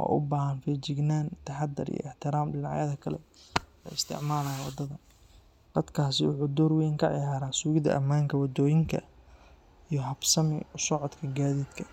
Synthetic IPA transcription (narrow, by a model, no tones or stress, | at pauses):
ʔɔ̰ːʔʊbaːɦɐnfɛːt͡ʃɪɡnaːnt̪ʰɐħad̪ɐɾḭjɔ̰ʔɪħt̪ʰɪɾaːmdɪnaʕjɐðɐkʰɐlɛ̰ɛ̰ɪst̪ʰɪ̰ʕmaːlɐːjɐwɑ̰d̪ɐðɐ | d̪̥ɐd̪kʰaːsɪwʊħud̪ɔːrwɛːŋkʰɐʕɪ̰jaːɾaːsuːɣɪðɐ̰ʔɐ̰maːŋkʰɐwɐd̪ɔːjɪŋkʰɐ̰ | ijɔɦɐbsɐmɪʊsɔʕɔd̪kʰɐɡaːðiːd̪kʰɐ